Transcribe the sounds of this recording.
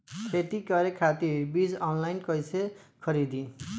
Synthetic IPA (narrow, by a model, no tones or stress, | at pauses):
kʰet̪ikʌɾekʰat̪iɾbid͡zʌnlajnkʌjsʰekʰʌɾid̪i